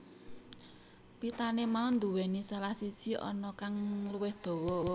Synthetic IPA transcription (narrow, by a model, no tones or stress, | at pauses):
pit̪anemaond̪uwɛnisalahsid̥ʒ̥i̤ʔɔ̰nɔkaŋluwɪhd̪̥o̤wɔ